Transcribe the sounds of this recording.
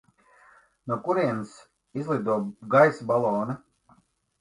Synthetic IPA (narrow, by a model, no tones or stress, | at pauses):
nɔkuɾiɛns | izlˠid̪uɔɡajsbalˠɔːna